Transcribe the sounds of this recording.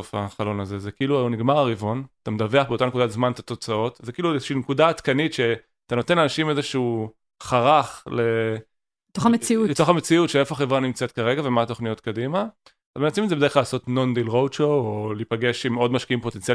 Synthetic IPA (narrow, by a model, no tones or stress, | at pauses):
ofa̰χalo̞nazezekiiluajoniɡmaʁaʁivonat̪amed̪ave̞aχbe̞o̞t̪anekud̪azmant̪ḁt̪o̞t͡sao̞tzekiiːluezeʃiːnekudaːtkanitʃe | at̪ano̞t̪e̞nanaʃimezeʃuu | χaʁaχle̞ | et̪oχamet͡siulet̪o̞χamet͡siutʃeefoaχevʁanimt͡set̪kaʁe̞ɡavemaːt̪o̞χnijo̞t̪kadima | azmenatsmimetzeeχlalaːso̞tno̞nd̪ilʁowt͡ʃoolipaɡe̞ʃimo̞dmaʃkiimpo̞t̪ent͡sial